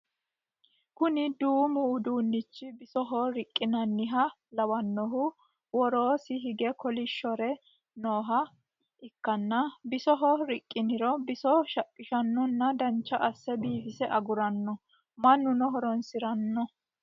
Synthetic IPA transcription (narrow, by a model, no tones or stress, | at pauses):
kʊnɪd̪uːmʊːd̪uːnːɪt͡ʃːɪbɪsɔɦɔɾɪkʼːɪnɐnːɪɦɐ | lɐwɐnːɔɦʊ | wɔɾoːsɪɦɪɡɛkɔlɪʃːɔɾɛ | noːɦɐ | ʔɪkːɐnːɐbɪsɔɦɔɾɪkʼːɪnɪɾɔbɪsɔʃɐpʼːɪʃɐnːɔnːɐd̪ɐnt͡ʃːɐʔɐsːɛbiːfɪsɛʔɐɡʊɾɐnːɔ | mɐnːʊnɔɦɔɾɔnsɪɾɐnːɔ